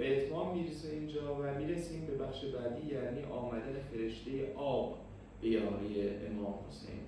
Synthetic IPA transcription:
beet̪mɒːmːiːɾeseiːnd͡ʒɒːvæmiːɾesiːmbe̞bæxʃe̞bæːd̪iːjæːniːʔɒːmæd̪ænefe̞ɾe̞ʃt̪e̞jeʔɒːb | b̥e̞jɒːɾijeʔemɒːmho̰sḛjn

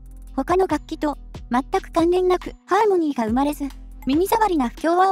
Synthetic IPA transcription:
ho̞kano̞ɡakʲːit̪o̞ | mat̪ːakɯ̟̥kãnɾẽ̞nːakɯ̟haːmo̞ɲ̟iːɡaɯ̟maɾe̞zɨ | mʲiɲ̟izaβaɾʲinaɸɯ̟̥kʲo̞ːβa

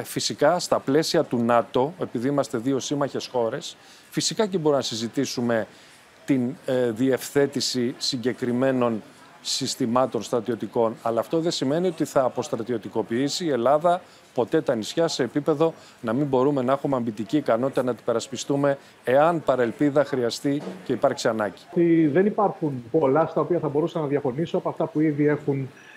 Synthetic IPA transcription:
fisikɐst̪ɐple̞siɐt̪unɐt̪o̞e̞piðiimɐst̪e̞ðio̞simɐçe̞sxo̞ɾe̞s | fisikɐcebo̞ɾuinɐsizit̪isume̞ | t̪inðie̞fθe̞t̪isisiɲɟe̞kɾime̞no̞n | sist̪imɐt̪o̞nst̪ɾɐt̪io̞t̪iko̞nɐlɐːft̪o̞ðe̞sime̞nio̞t̪iθɐːpo̞st̪ɾɐt̪io̞t̪iko̞piisiːe̞lɐðɐ | po̞t̪e̞t̪ɐnisçɐse̞ːpipe̞ðo̞ | nɐmimbo̞ɾume̞nɐexumeɐmbit̪iciːkɐno̞t̪it̪ɐnɐt̪ibe̞ɾɐspist̪ume̞ː | ɐnpɐɾe̞lpiðɐxɾiɐst̪ice̞ipɐɾksiɐnɐɟi̥t̪iðe̞nipɐɾxunpo̞lɐst̪ɐo̞piɐθɐbo̞ɾusɐnɐðjɐfo̞nisoɐpoɐft̪ɐpuiðie̞xun

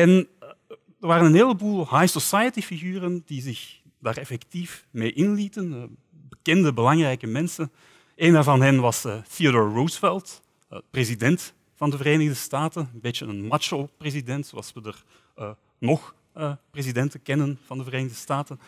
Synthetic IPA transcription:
ɛn | dərʋaːɾənənɦeːləbuːlˠhajsɔsajətifiɣyːrənd̥izɪx | d̥aːrɛfɛktifmeːʔɪnlitən | bəkɛndəbəlɑŋrɛjkəmɛnsən | eːnavɑnɦɛnʋɑsθiadɔːɹːowsfɛlˠtː | prezidɛnt | fɑndəvəreːnɪɣdəstaːtənəmbeːtəənmat͡ʃəlˠprezidɛntsoɑlˠsʋədər | nɔx | əprezidɛntəkɛnənv̥ɑndəvəreːnɪɣdəstaːtən

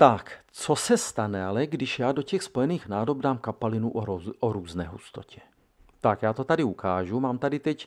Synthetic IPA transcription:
t̪akt͡sosɛst̪anɛalɛɡdɪʃjaːdo̞cɛxspo̞jɛniːxnaːdobdaːmkapalɪnuʔʔoɾuːznɛːɦṵst̪o̰cʰɛ̥ | t̪akjaːt̪ot̪adɪukʰaːʒumaːmt̪adɪt̪ɛc

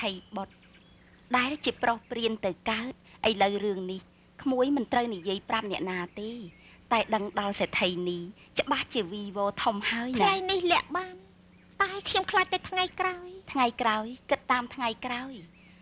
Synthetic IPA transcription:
t̪ʰəjɓot̪̚ | ɗaɛlt͡ɕiəprohpriənt̪ɨwkaət̪̚ʔəjləwrɨəŋnih | kʰmuəjmɨnt̪rəwnijiəjprap̚nɛ̆əʔnaːt̪eː | t̪aɛɗəŋɗɑlseːt̪ʰəjnih | t͡ɕə̆ɓaht͡ɕiəʋiːʋɔːt̪ʰumhaəj̪ʰnaŋajnihlɛ̆əʔɓaːn | t̪aɛkʰɲomkʰlaːj̚t̪at̪ʰŋajkraɔjt̪ʰŋajkraɔjkɨt̪ːaːmt̪ʰŋajkraɔj

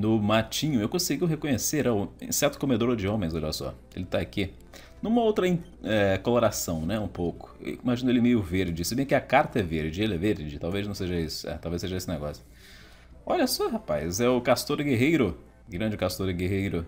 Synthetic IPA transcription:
nʊmat͡ʃĩɲʊewkõsɪɡiwɦekõɲeseɾaw̰̃sɛɾt̪ʊ̥komed̪oɾʊd͡ʒɪõmẽj̃zɔʎasɔ̰ | ḛlɪt̪aaki | nũmɐowt̪ɾɐĩ | ɛkoloɾasɐ̃w̃nɛũpowkʊ̥ḛwimaʒĩnʊelɪmejʊveɾd͡ʒɪsɪbẽj̃kɪɐkaɾt̪ɐɛveɾd͡ʒɪelɪɛveɾd͡ʒɪt̪awveznɐ̃w̃seʒɐisʊ̥ɛ̰t̪awveseʒɐesɪneɡɔ̰sjʊ̥ | ɔʎɐsɔhapajzɛʊkast̪oɾɡeɦejɾʊ | ɡɾɐ̃d͡ʒɪkast̪oɾɡeɦejɾʊ

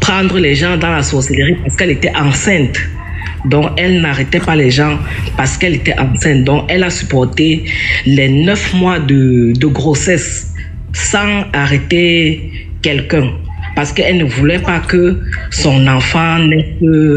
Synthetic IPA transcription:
pχɑ̃d̪ʁəlɛʒɑ̃d̪ɑ̃lasɔʁseleʁipaʁsə̥kɛlet̪ɛʔɑ̃sɛ̃t̪ | d̪ɔ̃kɛlnaʁɛt̪ɛpalɛʒɑ̃ | paʁsə̥kɛlet̪ɛʔɑ̃sɛ̃t̪̚d̪ɔ̃kɛlasypɔʁt̪elɛnœfmwad̪əd̪əɡʁosɛs | sɑ̃aʁɛt̪e | kɛlkɛ̃ | paʁsə̥kəɛlnəvulɛpakəsɔ̃nɑ̃fɑ̃nɛkə

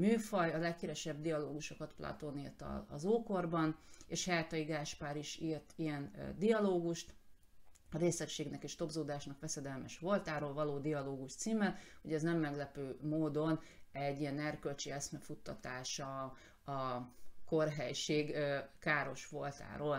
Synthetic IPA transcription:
myːfɒjɒlɛkːiɾɛʃɛbd̪ijɒloːɡuʃo̞kɒt̪plɒ̰t̪onirt̪ɒ̰ːzoːko̞rbɒneːʃhɛjt̪ɒiɡaːʃpaːɾiʃiːrt̪ijɛnd̪iɒloːɡuʃt̪ | ɒɾeːslɛkʃeːɡnɛkeːʃt̪o̞bzoːd̪aːʃnɒkʋɛsɛd̪ɛlmɛʃʋo̞lt̪aːɾoːlvɒloːd̪iɒloːɡuʃt̪siːmɛhoɟɛznɛmːɛɡlɛpøːmoːd̪o̞nɛɟːijɛnɛrkølt͡ʃiɛsmɛfut̪ːɒt̪aːʃɒ | ɒkorɦɛjʃeːɡkaːɾo̞ʃʋolt̪a̰ːɾoːl

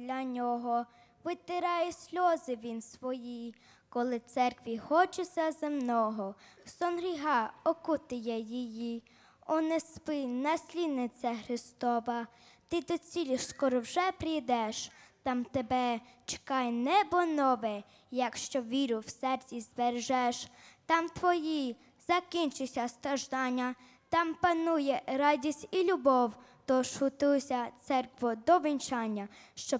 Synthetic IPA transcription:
lʲɐnʲɔɦɔ | ʋɪt̪ɪɾɑjɛsʲlʲɔzɪʋʲinsʋɔji | kɔlˠɪt̪sɛrkʋʲixɔt͡ʃɪsʲɐzemnɔɦɔsɔnɾʲiɦɑɔkʊt̪ɪjɐjiji | ɔnɛspɪnɐsʲlʲid̪nɪt͡sʲɐxɾɪst̪ɔʋɐ | t̪ɪd̪ɔt͡sʲilʲɪʃskɔɾɔwʒɛpɾɪjd̪ɛʃt̪ɑmt̪ebɛt͡ʃɪ̥kɑjnɛbɔnɔʋɛ | jɐkʃt͡ʃɔʋʲiɾʊwsɛrt͡sʲizberʒɛʃt̪ɑmt̪ʋɔji | z̥ɐkʲint͡ʃʊsʲɐst̪ɾɐʒd̪ɑnʲːɐ | t̪ɑmpɐnujɛɾɑdʲisʲtʲilʲʊbɔwt̪ɔʃhʊt̪ɪɔsʲɐt̪sɛrkʋʊd̪ɔʋint͡ʃɑnʲːɐʃt͡ʃɔ

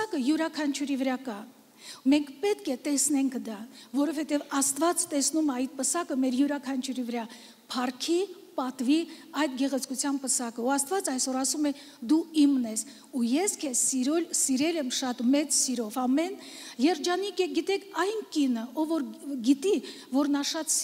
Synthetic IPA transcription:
ɑkəjuɾɑkʰɑnt͡ʃʰuɾivəɾɑkɑ | mɛŋkʰpɛt̪kʰɛt̪ɛsnɛŋkʰd̪ɑvɔɾɔvhɛt̪ɛvɑst̪vɑt͡st̪ɛsnumɑɑjt̪̚pəsɑkəmɛɾjuɾɑkʰɑnt͡ʃʰuɾivəɾɑ | pʰɑrkʰi | pɑt̪viɑjd̪ɡɛʁɛt͡sʰkut͡sʰjɑnpəsɑkəuɑst̪vɑt͡sɑjsɔɾɑsumɛ | d̪uimnɛs | ujɛskʰɛsiɾɔlsiɾɛlɛmʃɑt̪mɛt͡ssiɾɔvɑmɛnjɛɾd͡ʒɑnikɛɡit̪ɛkʰɑjnkinəɔvɔɾɡit̪i | vɔɾnɑʃɑt̪

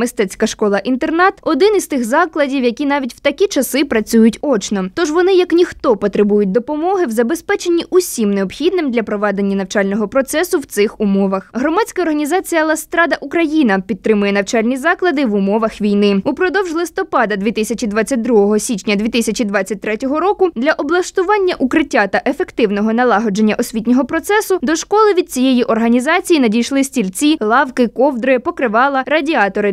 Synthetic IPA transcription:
mɪst̪ɛt͡sʲkɐʃkɔlˠɐʔint̪ernɑt̪ɔd̪ɪnizt̪ɪxzɑklˠɐdʲiwjɐkʲinɑʋʲitʲwt̪ɐkʲit͡ʃɐsɪpɾɐt͡sʲujʊtʲɔt͡ʃnɔt̪ɔʒʋɔnɪjɐknʲixt̪ɔpɔt̪ɾebujʊt̚ʲd̪ɔpɔmɔɦɪwzɐbespɛt͡ʃe̞nʲːiʔʊsʲimneɔbxʲid̪nɪmd̪lʲɐpɾɔʋɑd̪enʲːɐnɐwt͡ʃɑlʲnɔɦɔpɾɔt̪sɛsʊwt̪sɪxʊmɔʋɐxɦɾɔmɑt͡sʲkɐɔrɦɐnʲizɑt͡sʲijɐlˠɐst̪ɾɑd̪ɐʔukɾɐjinɐpʲid̪̚t̪ɾɪmʊjɛnɐwt͡ʃɑlʲnʲizɑklˠɐd̪ɪʋʊmɔʋɐxʋʲijnɪupɾɔd̪ɔwʒlˠɪst̪ɔpɑd̪ɐd̪ʋʲit̪ɪsʲɐt͡ʃʲid̪ʋɑt͡sʲːɐt̚ʲd̪ɾuɦɔɦɔsʲit͡ʃʲnʲɐd̪ʋʲit̪ɪsʲɐt͡ʃid̪ʋat͡sʲːɐt̚ʲt̪ɾɛtʲɔɦɔɾɔkʊd̪lʲɐʔɔblˠɐʃt̪ʊʋɑnʲːɐʔukɾɪtʲːat̪ɐʔefekt̪ɪwnɔɦɔnɐlˠɑɦɔd͡ʒenʲːɐʔɔsʲʋʲitʲnʲɔɦɔpɾɔt̪sɛsʊd̪ɔʃkɔlˠɪʋʲid̪̚t͡sʲijejiʔɔrɦɐnʲizɑt͡sʲijinɐdʲijʃlˠɪsʲtʲilʲt͡sʲilˠɑwkɪkɔwd̪ɾɪpɔkɾɪʋɑlˠɐɾɐdʲiɑt̪ɔɾɪ

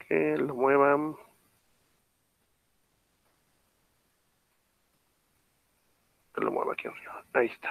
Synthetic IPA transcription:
kʰelomweβa | kelo̰mwḛβa̰kjenrioaist̪ʰḁ

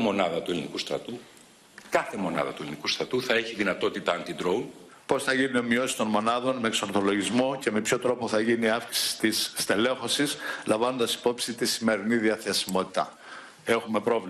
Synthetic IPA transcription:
mo̞nɐðɐt̪uelinikust̪ɾɐ̰t̪u | kɐθe̞mo̞nɐ̰ðɐt̪uelinikust̪ɾɐt̪uθɐeçiðinɐt̪o̞t̪it̪ɐɐnt̪id̪ɾoun | po̞sθɐʝinio̞mio̞si̥st̪o̞nmo̞nɐðo̞nme̞ekso̞ɾθo̞lo̞ʝizmo̞ce̞me̞pço̞t̪ɾo̞po̞θɐʝiniɐfki̥si̥t̪isːt̪e̞le̞xo̞sislɐɱvɐno̞nd̪ɐsi̥po̞psit̪isime̞ɾiniðiɐθe̞simo̞t̪i̥t̪ɐ̰ | e̞xume̞pɾo̞vl

